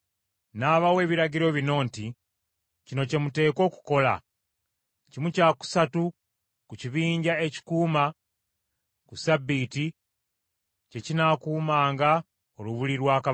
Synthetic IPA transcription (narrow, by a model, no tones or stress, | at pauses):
naːβawe̞ːβiɾaɟiɾo̞βino̞ːnti | cino̞ce̞mute̞ːko̞ːku̥ko̞la̰ | cimucaːku̥satu | kuciβiːɲɟae̞ci̥kuːma | kusabːiti | ce̞cinakuːmaːŋɡa | o̞luβuliɾwaːka